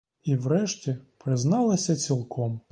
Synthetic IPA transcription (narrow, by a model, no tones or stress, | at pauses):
iwɾɛʃtʲipɾɪznɑlˠɐsʲɐt͡sʲilˠkʰɔm